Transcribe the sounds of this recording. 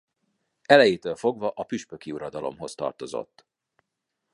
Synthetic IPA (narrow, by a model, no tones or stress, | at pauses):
ɛlɛjit̪øːlfo̞ɡvɒʔɒpyʃpøkiuɾɒd̪ɒlo̞̰mɦo̞st̪ɒ̰rt̪o̞zo̞̰t̪ː